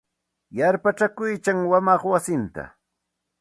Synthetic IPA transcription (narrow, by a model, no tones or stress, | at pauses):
jaɾpat͡ʃakʊjt͡ʃaŋwamɑχwasɪnt̪a̰